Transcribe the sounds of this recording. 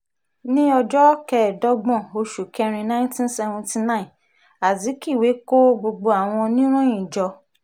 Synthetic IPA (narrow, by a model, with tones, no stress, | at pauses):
nĩ˦ɔ˧d͡ʒɔ˦kɛ˧˨dɔ˦ɡ͡bɔ̃˦˨o˧ʃu˨kɛ˧ɾ̃ĩ˧nã˦ĩ˦tĩ˦n˦sɛ˧vɔ̃˧nti˧nã˦ĩ˨ | a˨zi˨˦ki˦˨we˨˦ko˦ɡ͡bo˧ɡ͡bo˧a˨w̃ɔ̃˧nĩ˦ɾ̃ũ˦ĩ˨d͡ʒɔ˧